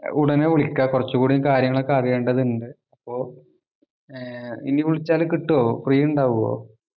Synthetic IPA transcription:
uɽɐneʋiɭikʲːakurɐt͡ɕːukuːɽikaːɾjɐŋːɐɭekːaːrijeːɳɖɐðiɳɖɨ | ɐpːo̞ː | ḭniʋiɭit͡ɕːaːlkiʈːuoːprijuɳɖaːʋuɣɐo̰ː

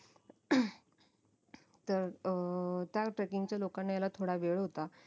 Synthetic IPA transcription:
t̪əɾ | t̪jaʈɾekiŋɡt͡ɕjalokanːajalat̪ʰoɽaʋeɭɦot̪a

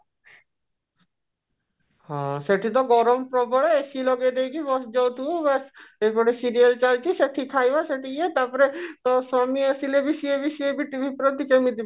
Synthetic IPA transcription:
hɔ̃ʃeʈit̪̬ɔɡɔɾompɾɔbɔɽeeʃiloɡed̪ejkibɔsd͡ʒowt̪ubasejpɔɾesiɾialt͡ɕalt͡ʃiʃeʈʰikʰːajbaʃeʈiiet̪aɾpɔɾet̪ɔsamiasilebiʃiebiʃiebiʈːibʱipɾot̪ːikemid̪i

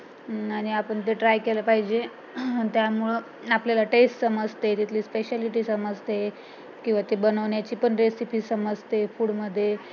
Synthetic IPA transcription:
aɽ̃iapəɳt̪eʈɾajkeləpaɦid͡ʑe | t̪jamuɭə | apljalaʈesʈsəməd͡zʱt̪et̪it̪ʰliːspeɕaliʈiːsəməd͡zt̪e | kĩw̃ʋat̪ebənəʋɳjat͡ɕiːpəɳɾesipiːsəməd͡zʱt̪efuːɽməd̪ʱːje

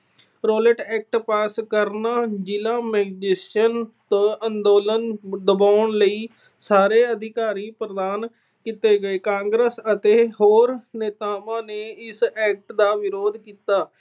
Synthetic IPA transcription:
ɾoːləʈɛːk̚ʈpaːskəɾnaːd͡ʒɪlãːmɛːɡd͡ʒɪsənt̪oənd̪oːlənd̪əbaːʊɳləiː | saːɾeːəd̪ʱɪkaːɾiːpɾəd̪aːn | kit̪eːɡəeːkãːŋɡɾəsət̪eːɦoːɾneːt̪aːmãːneːɪsɛːk̚ʈd̪aːʋɪɾoːd̪kiːt̪aː

